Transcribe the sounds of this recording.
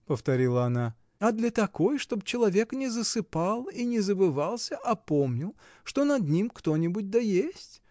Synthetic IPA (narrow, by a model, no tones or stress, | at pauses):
pəft̪ɐɾʲilˠəɐna | ɐd̪lʲɐt̪ɐko̞jʂt̪o̞bt͡ɕɪlˠɐvʲe̞knʲɪzəsɨpalˠinʲɪzəbɨvalˠsʲəʔɐpo̞mnʲɪlˠ | ʂt̪o̞nɐd̪nʲimkt̪o̞nʲɪbʊt̚ʲd̪ɐjesʲtʲ